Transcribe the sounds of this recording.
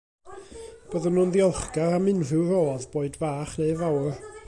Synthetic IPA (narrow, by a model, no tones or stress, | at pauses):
b̥əðənuːnðiɔlˠχɡaɾamɪnrɨwɾoːðboːɨdvaːχneɨvawr